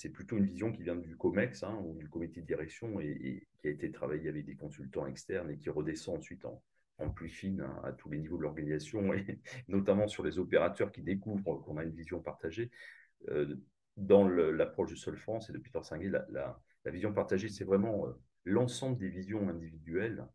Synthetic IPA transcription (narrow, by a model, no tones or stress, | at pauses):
sɛplyt̪oynvizjɔ̃kʲivjɛ̃d̪ykɔmɛksɛ̃ud̪ykɔmit̪ed̪əiʁɛksjɔ̃ḛːkʲiaet̪et̪χavajeavɛk̚d̪ekɔ̃sylt̪ɑ̃ɛkst̪ɛʁnekʲiʁəd̪esɑ̃ːsɥit̪ɑ̰̃ | ɑ̰̃plifinɛ̰̃a̰t̪ʰulenivod̪əlɔʁɡanizasjɔ̃enɔt̪amɑ̃syʁlezɔpeʁat̪œʁkʲid̪ekuvʁkɔ̃naynvizjɔ̃paʁt̪aʒe | ø | d̪ɑ̃ləlapχɔʃd̪əsɔlfχɑ̃sed̪əpi̥t̪œʁsɛ̃ɡʲela̰la̰ | la̰vizjɔ̃paʁt̪aʒesɛvʁɛmɑ̃ø | lɑ̃sɑ̃bləd̪evizjɔ̃ɛ̃d̪ivid̪ɥɛl